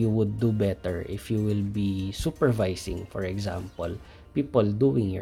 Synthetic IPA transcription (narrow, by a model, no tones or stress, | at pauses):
juwʊd̪ːubɛt̪ɛɹʔɪfjuwɪlbisupɛɹvajsɪ̰̃ŋfɔɹɛɡzã̰mpɔl | piːpɔld̪uɪ̃ŋjɔ̰